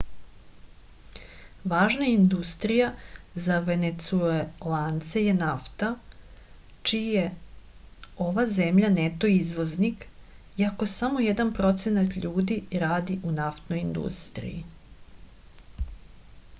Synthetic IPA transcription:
ʋaːʒnaind̪ust̪ɾijazaʋe̞net̪suelant̪seje̞naft̪a | t͡ʃije | o̞ʋaze̞mʎanet̪o̞izʋo̞znik | iako̞samo̞jed̪anpɾo̞t̪se̞nat̪ʎuːd̪iɾaːd̪iʔunaft̪no̞jind̪ṵst̪ɾḭjḭ

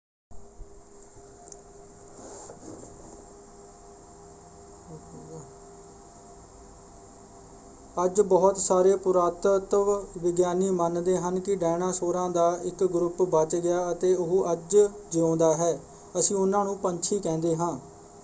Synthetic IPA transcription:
əd͡ʒbəːt̪saːɾeːpʊɾaːt̪ət̪əʋʋɪɡjaːniːmənd̪eːɦənkɪɖɛːɽ̃ãːsoːɾãːd̪aːɪkɡɾʊpbət͡ʃɡɪjaːət̪eːʊɦʔəd͡ʒd͡ʒʊõːnd̪aːɦɛː | əsĩːʊnːãːnũːpəɲt͡ʃʰiːkɛ̃ːnd̪eːɦãː

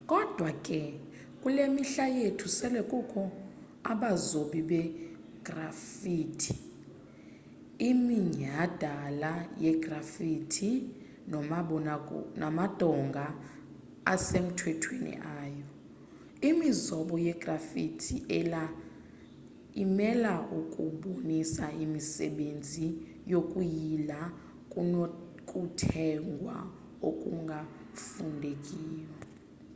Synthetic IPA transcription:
kʼɔd̥ʱwakʼɛ | kʼulemiɬajetʰusɛlɛkʼukʰɔ | a̰ɓazoɓiɓɛ | ɡ̥rafiːtʰi̥ | imiɲad̥ʱalajɛɡ̥rafitʰi | nɔmaɓɔna̰namad̥ʱɔŋɡʱa | a̰sem̩tʰwɛtʰwenḭʔaːjɔ | imizɔɓɔjɛɡ̥rafitʰiʔɛla | imɛlaʔukʼuɓonisaʔimisɛ̰ɓend͡zʱi | jokʼujila | kʼ | kʼutʰɛŋɡʱwa̰ | okʼṵŋɡʱa | fundʱekʼiːwa

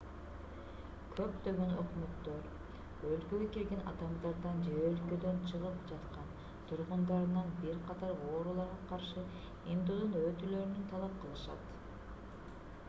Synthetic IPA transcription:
kʰø̞pd̪ø̞ɡø̞nøqymøt̪ːøɾ | ølkøɡøkiɾɡʲe̞nɑ̰d̪ɑmd̪ɑɾd̪ɑnd͡ʒeølkød̪ø̞nt͡ʃʰɯʁɯp̚d͡ʒɑt̪qɑn | t̪ʰuɾʁund̪ɑɾɯnɑnbiɾqʰɑt̪ɑɾo̞ːɾulˠɑɾʁɑqʰɑɾʃɯ | imd̪ud̪unøt̪ylø̞ɾynynt̪ʰɑlˠɑp̚qʰɯlˠɯʃɑ̰t̪

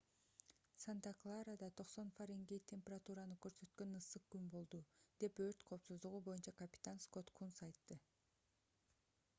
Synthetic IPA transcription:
sant̪aklˠaɾad̪ɑt̪ʰo̞qso̞nfaɾiŋɡet̪ʲʰe̞mʲpʲerat̪uɾanɯkø̞ɾsø̞t̪̚kø̞nɯsɯq̚kynbo̞lˠd̪ud̪̥e̞pø̞ɾt̪qʰo̞ːpsuzd̪uʁubo̞junt͡ʃɑakɐpʲi̥t̪ansko̞t̪kʰunsɑjt̪ːɯ

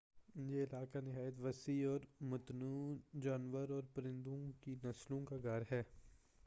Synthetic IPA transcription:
jeɪlaːkanɪɦaːjət̪ʋɐsiɔːɾmʊt̪nuːd͡ʒaːnʋəɾɔːɾpɾɪ̃nd̪õkinɐslõkaɡaːɾɦɛː

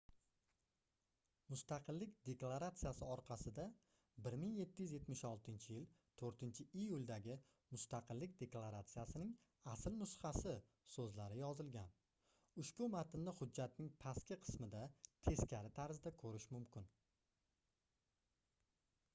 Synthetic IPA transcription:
mʊst̪ɑqʰɨlːɪkʲd̪e̞klˠaɾat̪sɨjasɪɒɾqʰɑsɪd̪a | bɪɾmɪŋje̞t̪ʰːɪjʏzje̞t̪mɪʃɒlˠt̪ʰɪnt͡ʃʰɪjɪlt̪ʰɵɾt̪ʰɪnt͡ʃʰɪʔijʊlʲˠd̪aɡʲɪ | mʊst̪aqʰɨlːɪk̚ʲd̪e̞klˠaɾat̪sijasɪnɪŋ | aslnʊsχɑsɪ | sɵzlaɾɪjɒzɪlɡʲan | ʊʃbʊmat̪ɪnlɪhʊd͡ʒːat̪̚nɪŋpʰaskʲɪqʰɨ̥smɪd̪at̪ʰe̞skʲʰaɾɪt̪ʰaɾzd̪akʰɵɾɪʃmʊmkʲʰɪn

